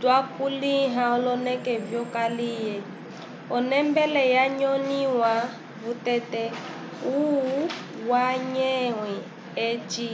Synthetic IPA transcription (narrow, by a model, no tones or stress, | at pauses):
dwakuliɦãɔlɔnɛkɛvjɔkalijɛ | ɔnɛmbɛlɛjaɲɔniwa | vutɛtɛ | u | waɲɛwɛ | ɛt͡ʃi